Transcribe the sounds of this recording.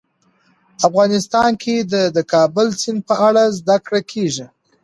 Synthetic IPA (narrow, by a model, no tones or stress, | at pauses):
afɣɑnɪst̪ɑnkʰed̪əd̪əkʰɑbʊlsɪnpəaɽazd̪akɽakʰeʒi